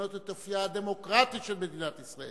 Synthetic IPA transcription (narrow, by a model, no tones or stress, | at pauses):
not̪et̪ːofiad̪emo̞kʁat̪it̪ʃelmed̪inat̪isʁae